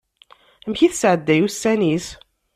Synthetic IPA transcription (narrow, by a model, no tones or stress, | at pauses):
æmçiθsʕəd̪ːæjusænis